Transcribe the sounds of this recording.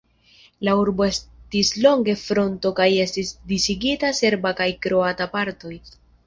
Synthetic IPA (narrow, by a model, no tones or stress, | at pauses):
lauɾbo̞e̞stislo̞ŋɡe̞fɾo̞nto̞kaje̞stisdisiɡitase̞ɾbakajkɾo̞atapaɾto̞j